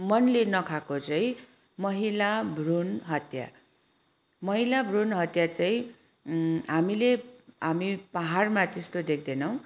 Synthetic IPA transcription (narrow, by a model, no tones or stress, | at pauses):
mʌnlenʌkʰakot͡saĩ | mʌɦilabʱrunɦʌt̪ja̰ | mʌɦilabʱrunɦʌt̪jat͡saĩ | ɦamileɦamipaɦarmat̪est̪od̪ek̚ʰd̪enʌw̃